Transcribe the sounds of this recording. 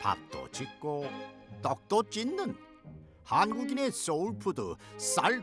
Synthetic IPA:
pa̰k̚t̪͈o̰t͡ɕik̚k͈ot̪͈ʌk̚t̪͈ot͡ɕ͈inːɯn | hanɡuɡinesouɭpʰɯdɯ̰saɭ

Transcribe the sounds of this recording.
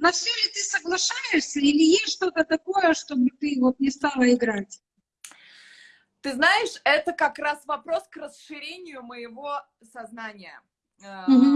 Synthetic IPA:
nɐfsʲoɪt̪ɨsəɡlˠɐʂajɪʂsʲəilʲɪjesʲtʲʂt̪o̞t̪ət̪ɐko̞jəʂt̪o̞bɨt̪ɨvo̞t̪̚nʲɪst̪alˠəɪɡɾatʲ | t̪ɨznaɪʂɛt̪əkɐkɾasvɐpɾo̞skrəsʂɨɾʲenʲɪjʊməjɪvo̞ | sɐznanʲɪjə | m̩ɦm̩

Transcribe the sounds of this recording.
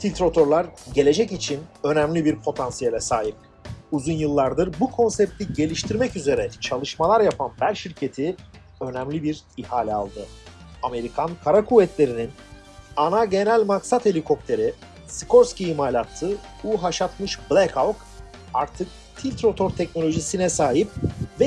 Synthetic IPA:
t̪ʰilʲt̪ɾo̞t̪ʰo̞ɾlˠaɾɟe̞lʲe̞d͡ʒɛcit͡ʃʰinø̞næmlʲibiɾpʰo̞t̪ʰansijelʲɛsaːɦip̚ | uzunjɯlˠːaɾd̪ɯɾbukʰo̞nsɛp̚t̪ʰiɟe̞lʲiʃt̪ʰiɾmɛcyze̞ɾɛt͡ʃʰalˠɯʃmalˠaɾjapʰanbælʲʃiɾcʰe̞t̪ʰi | ø̞nɛmlʲibiɾ | ihaːlʲɛalˠd̪ɯ | ame̞ɾikʰankʰaɾakʰuvɛt̪lʲe̞ɾinin | anaɟe̞nælʲmaksat̪he̞lʲikʰo̞pt̪ʰe̞ɾi | sɨ̥kʰo̞ɾscimalʲat̪ʰːɯ | uɦaʃat̪mɯʃblʲɛkʰawk | aɾt̪ʰɯk̚ | t̪ʰilʲt̪ɾo̞t̪ʰo̞ɾt̪ʰːɛcno̞lʲo̞ʒisinɛsaːɦip̚vɛ

